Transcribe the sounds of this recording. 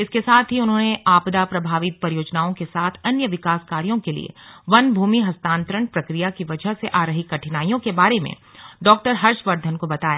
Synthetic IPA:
ɪskesaːt̪ʰɦiʊnɦõːneaːpd̪apɾɐbʱaːʋɪt̪̚pɐɾijoːd͡ʒnaːõkesaːt̪ʰɐnjəʋɪkaːskaːɾijõkelḭḛʋɐnbʱuːmiɦɐst̪ãːnt̪ɾəɳpɾɐkɾijakiʋɐd͡ʒʱəɦseʔaːɾɐɦikːɐʈʰɪnaːijõkebaːɾemḛ̃ | ɖɔːk̚ʈəɾɦɐɾʃʋɐɾd̪ʱənkobɐt̪aːja̰ː

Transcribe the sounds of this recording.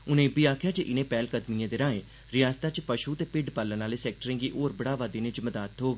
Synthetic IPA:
ʊnẽːbiːaːkʰjaːt͡ʃəʔɪnẽːpɛːlkəd̪mijãːd̪eːɾãːẽː | ɾɪjaːst̪aːt͡ʃpəʃuːt̪eːpɪɖpəlːənaːleːsɛːk̚ʈəɾẽːɡiːʔoːɾbəɽaːʋaːd̪eːnẽt͡ʃməd̪aːt̪ɦoːɡe

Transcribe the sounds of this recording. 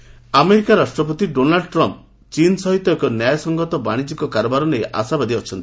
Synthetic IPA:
ameɾikaɾasʈɾɔp̬ɔt̪iɖonalɖʈɾɔmp̚ | t͡ʃinsɔɦit̪ɔekɔnjajsɔŋɡɔt̪ɔbaɽ̃id͡ʒikɔkaɾɔbaɾɔnejʔa̰sabad̪iɔt͡ʃʰɔnt̪i̥

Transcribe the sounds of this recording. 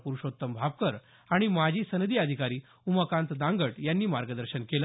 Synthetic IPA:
puɾuʂot̪ːəmbʱab̚kəɾ | aɽ̃imad͡ʑʱiːsənəd̪iːəd̪ʱikaɾiː | uməkãnt̪d̪ãŋɡəʈjanːiːmaɾɡəd̪əɾɕənkelə

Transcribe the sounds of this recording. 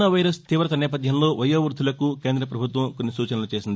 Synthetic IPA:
ɐʋɐjɾɐst̪iʋɾɐt̪ɐnɛːp̬ɐd̪ʱjɐmlo̞ːʋɐjːɐːʋɾd̪ʱulɐkuke̞ːnd̪ɾɐpɾɐbʱut̪ʋɐmkonːisuːt͡ʃɐnɐlut͡ʃeːsind̪

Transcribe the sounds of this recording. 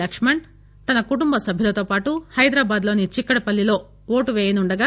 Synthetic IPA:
ɐkʂmɐɳ | t̪ɐnɐkuʈumbɐsɐbʱilɐt̪oːpaːʈuhɐjd̪ɾaːbaːd̪lo̞ːnit͡ʃikːɐɽɐpɐlːilo̞ː | oːʈuʋeːjɐnuɳɖɐɡaː

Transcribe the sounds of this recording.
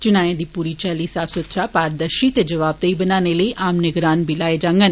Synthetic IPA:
t͡ʃʊnaːjãːd̪iːpuːɾiːt͡ʃɛːliːsaːbsət̪ʰɾaːpaːɾd̪əɾʃiːt̪eːd͡ʒəʋaːb̚t̪eiːbənaːneːləiːʔaːmnəɡɾaːnbʱiːlaːeːd͡ʒãːŋɡən

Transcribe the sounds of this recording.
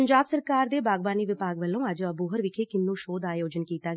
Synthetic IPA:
əɲd͡ʒaːbsəɾkaːɾd̪eːbaːɡbaːniːʋɪpaːɡʋəlːõːəd͡ʒəbuːɦəɾʋɪkʰeːkɪnːũːʃoːd̪aːjoːd͡ʒənkiːt̪aː

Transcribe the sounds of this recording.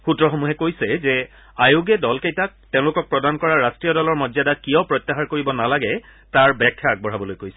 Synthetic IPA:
xutɹɔxomuɦɛkojsɛzɛ | ajoɡɛdɔlkejtak̚tẽʊ̃lʊkɔk̚pɹɔdankɔɹaɹastɹijɔdɔlɔɹmɔdzjadakijɔpɹɔjt̪ːaɦaɹkoɹibɔnalaɡɛ | taɹbɛkʰːaaɡ̚bɔɹabɔlojkojsɛ̥

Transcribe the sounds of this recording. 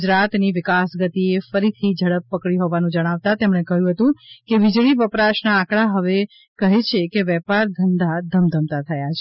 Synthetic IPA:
d͡ʒɾat̪niʋɪkasɡət̪iefəɾit̪ʰid͡ʒʱəɽəpːəkɽiɦoʋanũd͡ʒəɽ̃aʋt̪at̪emɽ̃ekəɦjũɦət̪ũkeʋid͡ʒɭiʋəpɾaʃnaːkɭaɦəʋe | kəɦet͡ʃʰekeʋɛpaɾd̪ʱənd̪ad̪ʱəmd̪ʱəmt̪at̪ʰəjat͡ʃʰe

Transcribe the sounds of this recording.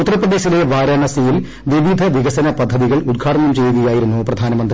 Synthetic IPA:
ut̪ːɐɾɐpːrɐðe̞ːɕile̞ʋaːɾaːɳɐsijil | ʋiʋid̪ʱɐʋiɣɐsɐnɐpɐd̪ʱːɐðiɣɐɭud̪ɡʰʱaːʈɐnɐmt͡ɕe̞juɣɐjaːjiɾunːuprɐd̪ʱaːnɐmɐnd̪r

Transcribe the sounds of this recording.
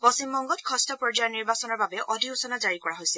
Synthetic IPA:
pɔsimːɔŋɡɔtkʰɔstɔpɹɔd͡ʒajɔniɹbasɔnɔɹbabɛʔɔdʱiusɔnazaɹikɔɹaɦojsɛ

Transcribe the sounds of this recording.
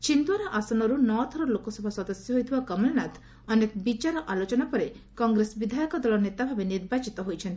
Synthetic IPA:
t͡ʃind̪waɾɔʔasɔnɔɾunɔt̪ʰɔɾɔlokɔsɔbʱɔsɔd̪ɔsjɔɦojt̪ʰibakɔmelnat̪ʰ | ɔnekɔbit͡ʃaɾɔʔalot͡ʃɔnapɔɾe | kɔŋɡɾesbid̪ʱajɔkɔd̪ɔlɔnet̪abʱabeniɾbat͡ʃit̪ɔɦojt͡ʃʰɔnt̪i̥

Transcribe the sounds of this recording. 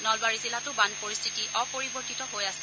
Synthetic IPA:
nɔlbaɹizilatʊbanpoɹist̪ʰitiʔɔpoɹibɔɹtitɔɦojasɛ

